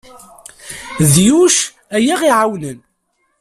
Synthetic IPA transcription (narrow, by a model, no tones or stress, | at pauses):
ðjuʃ | æjaʁiʕawnən